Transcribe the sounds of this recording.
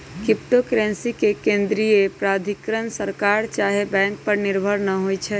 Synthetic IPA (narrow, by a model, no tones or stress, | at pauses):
kip̚ʈokɾensikekẽnd̪ɾijepɾad̪ʱikɾənsəɾkaɾt͡ʃaɦebɛ̃ŋk̚pəɾniɾbʱəɾnəɦojt͡ʃʰɛ